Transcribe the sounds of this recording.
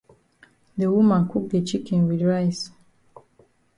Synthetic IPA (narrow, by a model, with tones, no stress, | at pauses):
ðəwu˦mã˨nkʰu˦k̚de˨t͡ʃi˦kɛ̃nwidɹajs